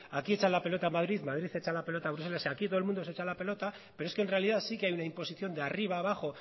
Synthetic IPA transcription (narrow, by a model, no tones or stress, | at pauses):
akie̞t͡ʃalape̞lo̞t̪amaðɾiðmað̞ɾiθe̞t͡ʃalape̞lo̞t̪aβɾuselaseakit̪o̞lmũnd̪o̞set͡ʃalape̞lo̞t̪a | peɾoeske̞nre̞aliðasikeajunaimpo̞siθjo̞nd̪eariβ̞aːβ̞axo̞